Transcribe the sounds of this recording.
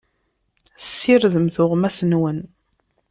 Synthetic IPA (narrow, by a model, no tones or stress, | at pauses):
sːiɾðəmθʊʁmæsənwən